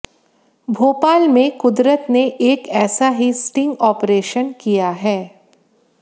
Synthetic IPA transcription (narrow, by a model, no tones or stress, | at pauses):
bʱoːpaːlmẽkʊd̪ɾət̪neʔeːkɛːsaɦisʈɪ̃ŋɡɔːpɾeːʃənkijaɦɛː